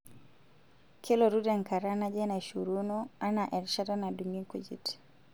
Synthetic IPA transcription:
kʰilɔɾudɛŋ̩kaɾanad͡ʒɛnaʃuɾunɔanaʔɛɾʃadanaduŋikud͡ʒḭt

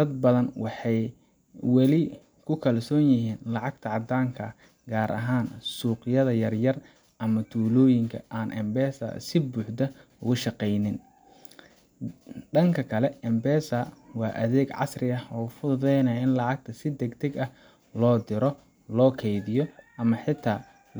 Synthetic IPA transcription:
d̪̥ɐd̪̚bɐðɐnwɑħɑj | wɑlɪ | kʰʊkʰɐlsɔːnjɪɦiːnlɑʕɑɡ̚t̪ʰɐʕɑd̪aːŋkʰɐ | ɡaːɾʔɐ̰ɦaːnsuːqɪjɐðɐjɐrjɐr | ʔɐmɐt̪ʰuːlɔːjɪŋkʰɐʔaːnʔɛmbɛːsɐ̰sɪbuːħd̪ɐ | ʊɣʊʃɑqɛjnɪn | ɖɐŋkʰɐkʰɐlɛɛmbɛːsɐwɑːʔɐðɛːɡʕɑ̰srɪɐhɔːfʊðɛjnɐjɪnlɑʕɑɡ̚t̪ʰɐsɪd̪ɛɡd̪ɐɡɐh | lɔːd̪ɪɾɔ | lɔːkʰɛjðɪjɔʔɐmɐħɪt̪ʰaː

